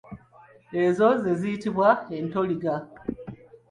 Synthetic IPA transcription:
ezo̞ze̞zijitiβwae̞nto̞liɡa

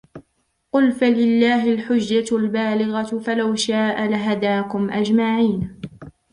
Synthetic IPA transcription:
qʊlfalɪlːaːɦɪlħʊd͡ʒːalbaːlɪɣafalawʃaːʔalaɦad̪aːkʊmʔad͡ʒmaʕiːn

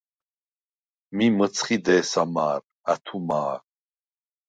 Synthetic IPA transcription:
mimət͡sʰχid̪ɛːsamaːɾ | at̪ʰumaːɾ

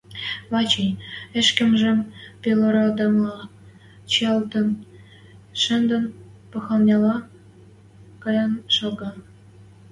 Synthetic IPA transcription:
βɑt͡ɕenʲĕʃkə̆mʒĕmpʲeloɾod̪ə̆mlɑ | t͡ɕɑlt̪ə̆n | ʃə̆nd̪ə̆npɤ̆xɑlnʲɑlɑ | kɑjɑnʃoɡɑ

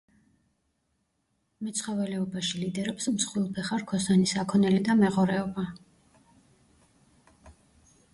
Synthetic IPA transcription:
mɛt̪sʰχɔvɛlɛɔbaʃilid̪ɛɾɛpsmsχwilˠpʰɛχaɾkʰɔsanisakʰɔnɛlid̪amɛʁɔɾɛɔba

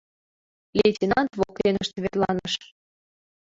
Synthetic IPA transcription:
lʲetʲinɑnt̪βok̚t̪enə̆ʃt̪βerlɑ̰nəʃ

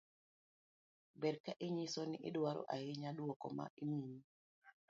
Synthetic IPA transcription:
bɛɾkaʔiɲisoniʔḭɗuwaɾɔ̰ʔa̰hiɲaɗuwɔkɔ̰ma̰ʔinun

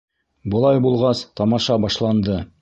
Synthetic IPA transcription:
bɤ̆lˠɑjbulˠʁɑst̪ɑmɑʃɑbɑʃlˠɑnd̪ɤ

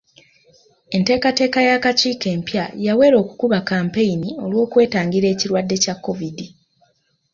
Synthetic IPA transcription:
e̞nte̞ːkate̞ːkajakaciːke̞ːmpjajawe̞ːɾo̞ːkukuβakaːmpe̞jinio̞lwo̞ːkwe̞ːtaːŋɡiɾe̞ːciɾwadːe̞cakːo̞vidi

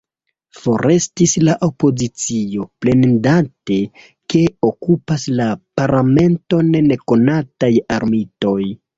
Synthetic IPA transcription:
fo̞ɾʔe̞stislaʔopo̞zit͡sio̞ple̞ndate̞ | ke̞o̞kupaslapaɾlame̞nto̞nne̞ko̞natajaɾmito̞j

